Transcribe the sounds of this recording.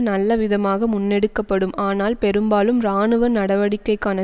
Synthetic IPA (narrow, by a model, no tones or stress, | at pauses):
nɐlːɐʋɪðɐmaːɣɐmʊnːɛɽɯkːɐpːɐɽɯmʔaːnaːlpɛɾɯmbaːlɯmɾaːɳɯʋɐnɐɽɐʋɐɽɪkːɐɪkːaːnɐ